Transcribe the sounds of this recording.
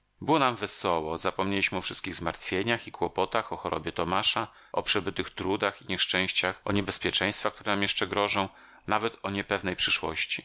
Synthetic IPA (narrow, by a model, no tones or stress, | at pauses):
bɘwɔnamvɛsɔwɔzapɔmɲelʲiɕmɘɔfʂɘst̪kʲiɣzmaɾt̪fʲjeɲaxikwɔpɔt̪axɔxɔɾʔɔ̰bʲjɛt̪ɔmaʂa | ɔ̰pʂɛbɘt̪ɘxt̪ɾud̪axiɲɛʂt͡ʂɛ̃w̃ɕt͡ɕaxɔ̰ɲɛbɛspʲjɛt͡ʂɛ̃j̃st̪fakt̪uɾɛnamjɛʂt͡ʂɛɡɾɔʐɔ̃w̃ | navɛt̪ɔɲɛpɛvnɛjpʂɘʂwɔ̰ɕt͡ɕi